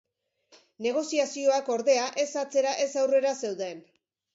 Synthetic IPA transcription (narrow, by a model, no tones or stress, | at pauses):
ne̞ɣ̞o̞siasio̞ako̞ɾðe̞aʔe̞sat͡se̞ɾaʔe̞sawre̞ɾase̞wðe̞n